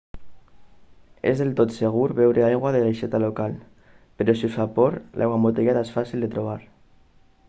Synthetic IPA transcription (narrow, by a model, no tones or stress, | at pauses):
ḛzðelt̪ot̪seɣ̞uɾβɛwɾeajɣwaðeleʃɛt̪alokal | peɾosifapɔɾlʔa̰jɣwamot̪eɣɛt̪aesfasild̪et̪ɾoβ̞aɾ